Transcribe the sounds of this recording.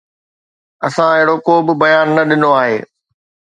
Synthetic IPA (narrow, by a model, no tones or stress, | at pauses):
ɐsãɪɦɪɽokoːbɪbɐjaːnːɐɗɪnoaːɦeː